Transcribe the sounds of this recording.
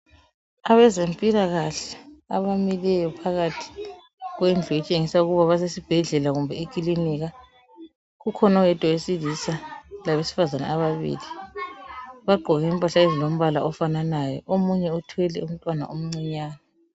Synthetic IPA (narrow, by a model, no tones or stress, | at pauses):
aβɛzempʼilaɣaɬɛaβamilɛjɔpʰaɣatʰi̥ | ɣwend͡ɮʱɔit͡ʃʼeŋisauɣuβaβas̬esib̥ʱɛɮɛlaɣumbʱɛekʼiliniɣa | ɣukʰɔnawɛtʼɔwesilisalaβesi̥fazana̰aβaβḭːli | βaɡ͡ǃʱɔɣɛimpʼaɬaɣezilom̩βalaʔɔfananajɔ̰ʔomuɲɛutʰwɛlɛum̩tʼwana̰ʔom̩ŋ͡ǀiɲaːna